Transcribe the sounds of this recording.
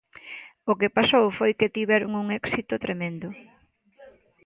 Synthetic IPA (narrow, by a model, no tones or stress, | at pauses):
ʊkepasowfojket̪iβɛɾʊŋuŋɛksit̪ʊt̪ɾemẽnd̪ʊ